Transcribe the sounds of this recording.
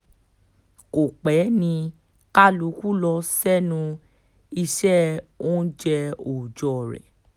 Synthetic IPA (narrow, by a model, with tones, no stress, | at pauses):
ko˨k͡pɛ˨˦nĩ˧ | ka˦lu˨˧˦ku˦lɔ˧sɛ˦nũ˧ | i˧ʃɛ˦o˦d͡ʒɛ˧o˨d͡ʒɔ˨ɾɛ̰˨